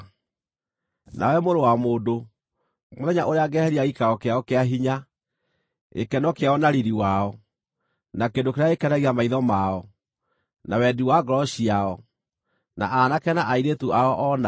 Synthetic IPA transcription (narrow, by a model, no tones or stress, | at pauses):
na̰wɛmoɾowamoːdo | moðɛɲaʔoɾeaɡɛhɛɾiaɣikaɔkeaɔkeaɦiɲa | ḛkɛnɔkeaɔnaɾiɾiwaɔ | nakendokeɾeaekɛnaɣiamaiðɔmaɔ | nawɛdiwaɡɾɔɕiaɔ | na̰ʔanakɛnaʔaiɾetuaɔʔɔna